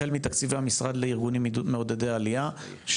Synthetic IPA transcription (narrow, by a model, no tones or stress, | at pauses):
elmit̪akt͡siveamisʁad̪leiʁɡunimːid̪ut̪meod̪edeaalia | ʃ